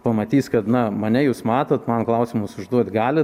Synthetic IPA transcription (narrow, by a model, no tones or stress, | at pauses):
pɐmɐt̪ʲiːskɐt̪nɐmɐnʲɛjuːsmɑːt̪ɐt̪mɐnklˠɐʊsʲɪmʊsʊʒd̪uɔt̪ʲɡɑːlʲɪ